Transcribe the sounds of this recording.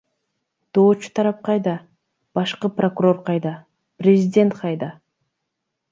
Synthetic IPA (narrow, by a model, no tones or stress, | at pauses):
d̪̥o̞ːt͡ʃu̥t̪ʰɑɾɑp̚qɑjd̪ɑ | b̥ɑʃqɯpro̞kuro̞rqʰɑjd̪ɑ | prʲɪzʲidʲe̞nt̪qʰɑjd̪ɑ